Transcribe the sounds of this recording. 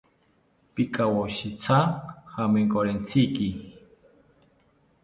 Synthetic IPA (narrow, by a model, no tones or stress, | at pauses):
pikʼawoʃit͡sʰahameŋkʼoɾent͡sʰiki